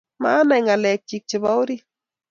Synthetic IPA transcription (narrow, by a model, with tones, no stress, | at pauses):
ma˦na˨jŋa˨lɛ˨k̚t͡ʃi˨k̚t͡ʃɪ˨ba˦wɾi˦